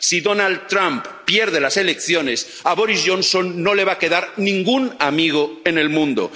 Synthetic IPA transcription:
siðonald̪̚t̪ːɾamppje̞ɾð̞elase̞lekθjo̞ne̞s | aβo̞ɾizʝõ̞nso̞nːo̞le̞β̞ake̞ðaɾnĩŋɡunamiɣ̞oene̞lmũnd̪o̰

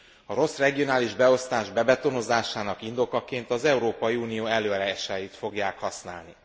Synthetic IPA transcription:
ɒɾo̞srɛɡio̞naːliʒbɛo̞st̪aːʒbɛbɛt̪o̞no̞zaːʃaːnɒkind̪o̞kɒkeːnt̪ɒzɛuɾoːpɒjiuːnijoːɛløːɒɾɛɛʃajit̪fo̞ɡjaːkhɒsna̰ːlni

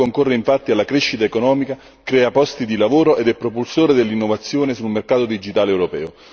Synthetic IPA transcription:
oŋkorːeiɱfat̪ːialːakɾeʃːit̪aekonɔːmika | kɾɛːapɔst̪id̪ilavoːɾoʔed̪ɛpːɾopulsoːɾed̪elːinːovat̪sːjoːnesulmerkaːt̪od̪id͡ʒit̪aːleɛwɾopɛ̰ːo

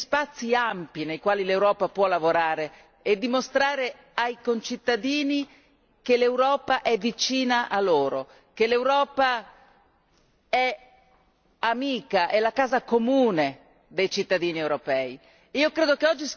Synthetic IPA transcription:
spat̪sːiampjinejkwaːlilewɾɔːpapwɔlavoɾaːɾeː | d̪ːimost̪ɾaːɾe | ajkont͡ʃit̪ːad̪iːni | kelewɾɔːpaʔɛvːit͡ʃiːnaʔalːoːɾo | kelewɾɔːpa | ɛ | amiːkaʔɛlakaːzakomuːne | d̪ejt͡ʃit̪ːad̪iːniewɾopɛːi | iːokɾeːd̪okeɔd͡ʒːi

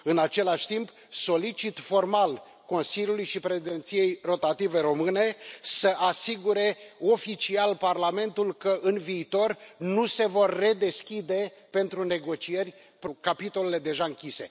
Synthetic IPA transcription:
ɨnat͡ʃe̞laʃʲt̪imp | so̞lit͡ʃit̪fo̞rmal | ko̞nsiljulujʃipɾe̞ʃid̪e̞nt̪sije̞jro̞t̪at̪ive̞ɾo̞mɨne̞səʔasiɡuɾe̞o̞fit͡ʃialparlame̞nt̪ulkəʔɨnviːt̪o̞rnuse̞vo̞rʲːe̞d̪e̞skʲid̪e̞pe̞nt̪ɾune̞ɡo̞t͡ʃie̞rʲ | pkapit̪o̞le̞le̞d̪e̞ʒaɨŋkʲise̞̰

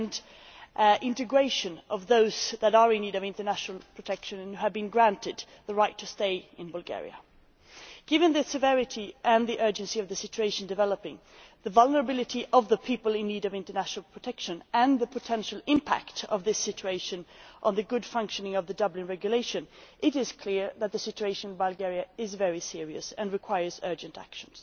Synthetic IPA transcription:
n | ɪ̃ntɨɡɹeɪʃɨ̃nʔʌvðoʊzðəɾə˞ɨ̃nːiɾʌvɪ̃ntə˞næʃnl̩ˠpʰɹ̥ɨtʰɛkʃɨ̃nnhʉɨvbɨ̃nɡɹæ̃ntɨd̪̚ | ðəɹaɪtʰɨsteɪɨ̃nbʌlˠɡɛ̰ɹḭɨ̰ | ɡ̥ɪvɨ̃nðɨsɨvɛɹɨɾiʔɨ̃nðiʔɜ˞d͡ʒɨ̃nsiʌvðɨsɪt͡ʃʉeɪʃn̩dɨvɛlˠəpɪ̃ŋ | ðɨvʌlˠnə˞əbɪlˠɨɾiʔʌvðəpʰipəlˠɪ̃nːiɾʌvɪ̃ntə˞næʃn̩l̩ˠpʰɹ̥ɨtʰɛkʃɨ̃nɨ̃nðɨpʰɨtʰɛ̃nʃl̩ˠɪ̃mpʰæ̰ktʌvðɪsɪt͡ʃʉeɪʃɨ̃nʔə̃nðɨɡʊd̥fʌ̃ŋkʃɨnɪ̃ŋʌvðɨdʌblɨ̃nɹɛɡjɨleɪʃɨ̃nʔɪɾɪz̥kʰl̥ɪɹðɨt̪̚ðɨsɪt͡ʃʉeɪʃɨ̃ñnbəlˠɡɛɹiɨɪzvɛɹisɪɹiɨ̰sɨ̃nɹɨkʰw̥aɪə˞zɜ˞d͡ʒɨ̃ntʰæ̰kʃɨ̃n̩z̥

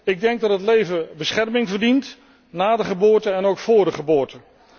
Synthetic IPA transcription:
ɪɡ̚dɛŋɡ̚dɑtɦətlejvəbəsχɛrmɪŋvərdint | naːdəχəbʊːɹtəɛnowkfʊːɹdəχəbʊːɹtə

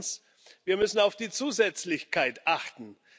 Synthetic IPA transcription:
s | viːɐmʏsn̩aʊfd̥iːt͡suːzɛt͡slɪçkʰaɪtʔaχtn̩

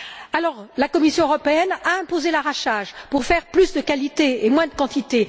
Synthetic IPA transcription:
alɔʁlakɔmisjɔ̃øʁɔpeɛnaɛ̃pozelaʁaʃaʒpuʁfɛʁplysd̪əkalit̪eemwɛ̃d̪əkɑ̃t̪it̪e

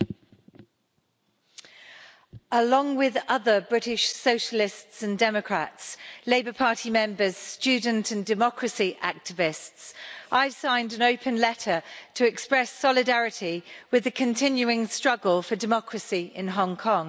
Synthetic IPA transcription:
əlɒ̃ŋwɪðʌðəbɹɪtɪʃsəʊʃəlɪstsə̃ndɛməkʰɹ̥a̰tsleɪbəpʰɑˑtʰimɛ̃mbəz̥st͡ʃʉːdⁿn̩tʰə̃ndɪmɒkʰɹəsiʔak̚tɪvɪstsaɪv̥sãɪ̃ndə̃nəʊpʰə̃nlɛtʰətʰəɛkspɹɛsɒlɪdaɹɪtʰiwɪðəkʰə̃ntʰɪ̃njʉɪ̃ŋstɹ̥ʌɡəlˠfədɪmɒkʰɹəsiɪ̰̃nɦɒ̃ŋkʰɒ̃ŋ

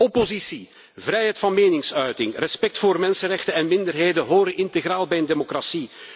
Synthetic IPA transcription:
ɔpozisi | vɾɛjɦɛjtfɑnmeːnɪŋsœɥtɪŋrɛspɛk̚tfoːrmɛnsənrɛxtənɛnmɪndərɦeːjdəɦoːɾəʔɪntəɣrɾaːlˠbɛjəndeːmokrasi

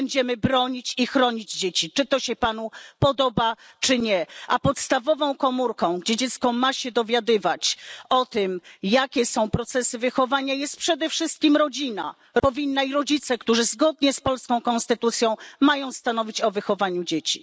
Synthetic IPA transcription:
ɛɲd͡ʑɛmɘbɾɔɲit͡ɕixɾɔɲid͡ʑd͡ʑet͡ɕit͡ʂɘt̪ɔɕɛpan̪upɔd̪ɔba | t͡ʂɘɲɛʔapɔt̪st̪avɔvɔ̃w̃kɔmuɾkɔ̃w̃ɡd͡ʑɛd͡ʑɛt̪skɔmaɕɛd̪ɔvʲjad̪ɘvat͡ɕɔt̪ɘmjakʲɛsɔ̃w̃pɾɔt̪sɛsɘvɘxɔvaɲajɛst̪̚pʂɛd̪ɛfʂɘst̪̚kʲimɾɔd͡ʑina̰ | pɔvʲinːaiɾɔd͡ʑit̪sɛkt̪uʐɘzɡɔd̪ɲɛspɔlskɔ̃w̃kɔ̃nst̪ɘt̪ut̪sʲjɔ̃w̃majɔ̃w̃st̪anɔvʲit͡ɕɔvɘxɔvaɲud͡ʑet͡ɕi̥

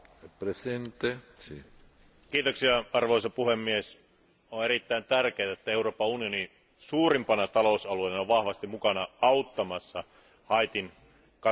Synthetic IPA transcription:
present̪esi | kiːt̪oksiɑɑrʋoisɑpuhemːies | oeɾit̪ːæint̪ærkeːt̪æet̪ːæeuroːpɑunioni | suːrimpɑnɑt̪ɑlousɑlueinɑoʋʋɑhʋɑst̪imukɑnɑɑut̪ːɑmɑsːɑ | hɑit̪in | kɑ

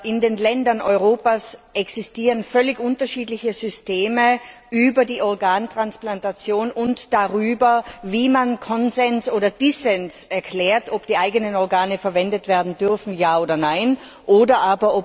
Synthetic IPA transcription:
ʔɪndeːnlɛndɐnʔɔʏʁoːpasʔɛksistiːʁənfœlɪçʊntɐʃiːdlɪçəzʏsteːmə | ʔyːbɐdiːʔɔɐɡaːntʁ̥ansplantat͡sjoːnʊntd̥aʁyːbɐviːmankʰɔnzɛnsʔoːdɐd̥isɛnsɛɐkʰl̥ɛːɐtɔpd̥iːʔaɪɡənənɔʁɡaːnəfɛɐvɛndətv̥ɛːɐdn̩dʏʁfn̩jaːoːdɐnaɪn | ʔoːdɐʔaːbɐʔɔp

